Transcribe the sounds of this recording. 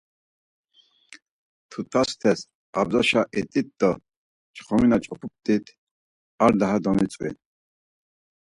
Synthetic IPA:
t̪ʰut̪ʰast̪ʰɛs | abzaʃaʔɛt̪ʼit̪̚d̪ɔ | t͡ʃʰʼχɔminat͡ʃʼɔpʰup̚t̪ʼit̪ʰ | aɾd̪aɦad̪ɔmit͡sʼwḭn

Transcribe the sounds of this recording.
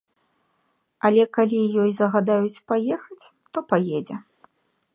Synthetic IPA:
ɐlʲɛkalʲijɔjzɐɣad̪ajut͡sʲpajɛxɐt͡sʲ | t̪ɔpajɛd͡zʲɛ

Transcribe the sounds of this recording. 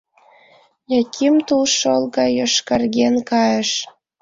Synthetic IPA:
jɑkʲʰimt̪ulʃolˠɣɑjoʃkɑrɣenkɑjəʃ

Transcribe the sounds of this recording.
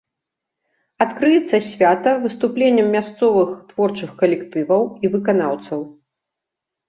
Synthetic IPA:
at̪kɾɨjɛt̪sːɐsʲvʲat̪ɐvɨst̪uplʲenʲːɐmːʲast̪sɔvɨxt̪v̥ɔrt͡ʂɨxkɐlʲɛkt̪ɨvɐwivɨkanawt̪sɐw

